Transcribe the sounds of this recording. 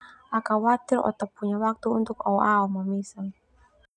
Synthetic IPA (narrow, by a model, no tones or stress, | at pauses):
ʔakawat̪ilɔ̰t̪apːuɲawak̚t̪uːnt̪ukawʔaɔmamisal